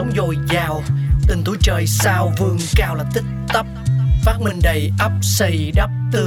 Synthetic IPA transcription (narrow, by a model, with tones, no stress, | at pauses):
ə˨˦wŋ͡mzo˨˩jzaː˨˩wt̪ï˨˩ŋt̪u˧˦t͡ɕəː˨˩jsaː˧wvɨ˨˩əŋkaː˧wlaː˨˩t̪ï˦˥k̚t̪ə˦˥p̚faː˦˥t̚mï˧ŋ̟ɗə˨˩jʔə˦˥p̚sə˧˩jɗə˦˥p̚t̪ɨ˧